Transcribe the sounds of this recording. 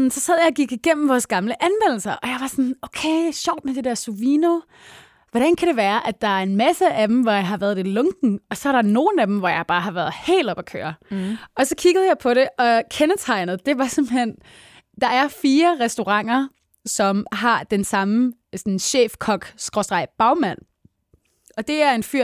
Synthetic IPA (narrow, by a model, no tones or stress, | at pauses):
sɒ̽sæð̞̰ˠjɑ̈ɡ̥iɡ̥iɡ̥en̰m̩ʋɒːsɡ̥ɑ̈mləʔænʋen̰l̩sɐʔɒ̽jɑ̈ɪʋɑ̈sɒnoʊkʰeɪɕɒʊ̰d̥̚med̥e̝d̥eɐsuʋiːno̝ | ʋɒɾ̥ænkʰæɾ̥e̝ʋæːɐʔæ̥ɑ̈æɐe̝nmæsəæd̥em̩ʋɒjɑ̈ɪɦɑ̈ʋæːɐðˠelɔŋɡ̥n̩ɒ̽sɒæɐɾɑ̈no̝ːn̩æd̥m̩ʋɒjɑ̈ɪb̥ɑ̈ːɦɑ̈ʋæːɐð̩ˠhe̝̰ːld̥ɒ̽b̥ɒkʰø̰ːɐɒ̽sɒ̽kʰiɡ̥ð̩ˠjɑ̈ɪpʰɒ̽ɾe̝ʔɒ̽kʰenət͡sʰɑ̈ɪnð̞̩ˠd̥e̝ʋɑ̈semb̥l̩hen̰ | d̥ɑ̈ʔæɐfiːɐʁɛsd̥o̝ʁɑ̈ŋ̰ɐ | sɒ̽mɦɑ̈d̥ensɑ̈mə | sɒnɕḛːfkʰɒ̽ɡ̥sɡ̥ʁɔsd̥ʁɑ̈ɪb̥ɑ̈ʊmæn̰ | ɒ̽d̥e̝æɐe̝nfyɐ̰